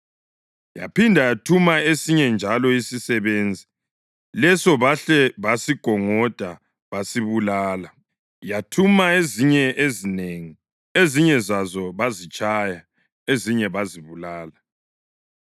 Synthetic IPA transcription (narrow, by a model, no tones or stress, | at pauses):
ja̰pindʱajatʰumaesiɲɛnd͡ʒʱalɔisisɛβend͡zʱi | lɛsɔβaɬɛβasiɡ̥ʱɔŋɔd̥ʱa | βasiβulaːla | jatʰumaeziɲɛʔezineŋi | eziɲɛzazɔβazit͡ʃʼaja | eziɲɛβaziβulaːla